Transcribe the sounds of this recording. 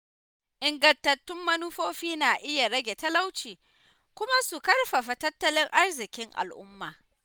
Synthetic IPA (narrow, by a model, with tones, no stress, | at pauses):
ʔɪ˨ŋɡɐ˨ntɐ˨tːʊ˦mːɐ˦nu˦ɸoː˦ɸiː˦naː˨ʔɪ˦ja˨ɽɐ˦ɡʲe˨tɐ˦la˦wt͡ʃiː˨ | kʷʊ˦ma˦su˨kɐ˦rɸɐ˨ɸa˨tɐ˦tːɐ˦lɪ˦ŋʔa˦rzɪ˨kʲɪ˦ŋʔa̰˨lʔʊ̰˦mːaː˨